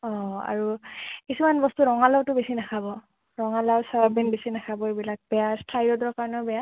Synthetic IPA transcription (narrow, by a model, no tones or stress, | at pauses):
ɔ̃a̰ɹukisumanbɔstuɹɔŋalawtʊbesinakʰabɔ | ɹɔŋalawsaabinbesinakʰabɔebilak̚b̥ɛjastʰajdɔdɔɔkaɹɔnɔbɛa